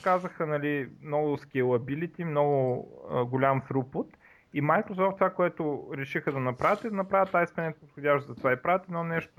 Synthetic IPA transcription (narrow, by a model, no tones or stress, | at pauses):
kazəxənɐlimnɔɡʊskʲɛlˠɐbilit̪ʲimnɔɡʊəɡʊlʲamfɾupʊt̪ | imajkɾosɔft̪vakoɛt̪ʊɾɛʃixəd̪ɐnɐpɾavʲət̪ɛd̪ɐnɐpɾavət̪ːaispɛnɛt̪pot̪xodʲaʃt̪zɐt̪ovaipɾavət̪ɛnɔnɛʃt̪ʊ